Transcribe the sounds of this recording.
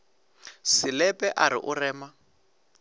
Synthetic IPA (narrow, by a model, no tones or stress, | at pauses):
sɪlɛpʼɛʔaɾɪ̰ʔʊrɛːma